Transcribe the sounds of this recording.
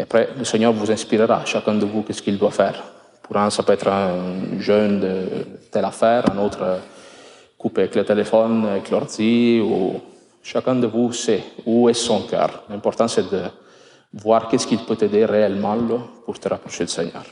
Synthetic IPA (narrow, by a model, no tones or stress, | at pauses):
eapɾɛləsɛɲœɾvuzɛ̃spiɾəɾa̰ʃakɛ̃nd̪əvukɛskild̪wafɛɾ | puɾãsapøɛt̪ɾɛ̃ʒœnd̪ət̪ɛlafɛɾɛ̃not̪ɾə | kupevɛklət̪elefɔnɛklɔɾziu | ʃakɛ̃d̪əvusɛuɛsɔ̃ŋkœ̰ɾlɛ̃mpɔɾt̪ɑ̃nsɛd̪ə | vwaɾkɛskilpøt̪ed̪ereɛlmɑ̃lɔpuɾt̪əɾapɾoʃed̪əsɛɲœ̰ɾ